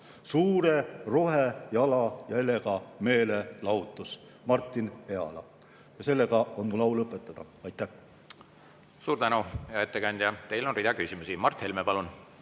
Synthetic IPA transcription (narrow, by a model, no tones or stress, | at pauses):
suːɾe̞ro̞ɦejɑlɑjɑe̞le̞ɡɑme̞ːle̞lɑut̪ːˑus | mɑrt̪ˑːine̞ɑ̰lɑ̰ | jɑse̞lːe̞ɡ̥ɑo̞nmulɑwlɤpːˑe̞t̪ːˑɑd̪̥ɑ | ɑjt̪ːˑæh | suːɾt̪ænujɑet̪ːekɑnʲd̪̥ʲjɑt̪e̞jlonrid̪ɑkysimusimɑrt̪he̞lmepɑlun